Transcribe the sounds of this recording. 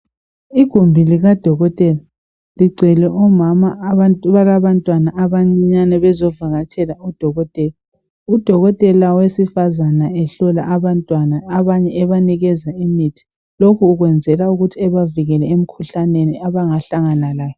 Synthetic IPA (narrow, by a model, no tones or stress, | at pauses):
iɡ̥ʱumbʱiliɣad̥ʱɔɣɔtʼɛla | liɡ͡ǀʱɛlɛʔɔmamaaβaɣaβantʼwanaːβaŋ͡ǀiɲanɛβɛzɔvaɣat͡ʃʰʼɛlaud̥ʱɔɣɔtʼɛla | ud̥ʱɔɣɔtʼɛlawesifazanaɛɬɔla̰ʔaβantʼwanaːβaɲɛːβaniɣɛzaimitʰi̥ | lokʰuːɣwɛnd͡zʱɛlauɣutʰiɛβaviɣɛlɛem̩kʰuɬaneniaβaŋaɬaŋanalaːjɔ